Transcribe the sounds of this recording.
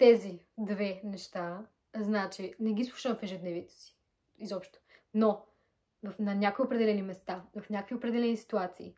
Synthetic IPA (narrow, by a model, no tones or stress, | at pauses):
t̪ɛzid̪vɛnɛʃt̪a | znaɛt͡ʃinɛɡʲislˠu̥ʃəmfɛʒɛd̪nɛvit̪ɛ̥si̥ | izɔpʃt̪o̥no | vɐfnɐnʲakoiopɾɛd̪ɛlɛnimɛst̪avɐfnʲakəkviopɾɛd̪ɛlɛnisi̥t̪uat̪siː